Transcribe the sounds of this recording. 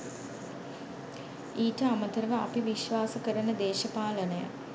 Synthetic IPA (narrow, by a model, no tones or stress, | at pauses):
iːʈəaməd̪əɾəʋəa̰piʋiʃʋaːsəkəɾənəd̪eːʃɐpaːlənəjə̰